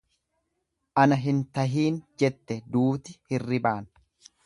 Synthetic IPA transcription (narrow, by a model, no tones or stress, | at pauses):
ʔɐnɐɦɪnt̪ɐɦiːnd͡ʒɛt̪ːɛd̪uːt̪ɪhɪrːɪbaːn